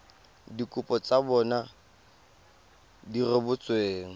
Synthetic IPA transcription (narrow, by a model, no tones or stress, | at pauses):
dikʼʊpʼɔt͡sabɔna | dirɪbʊt͡sʼweːŋ̩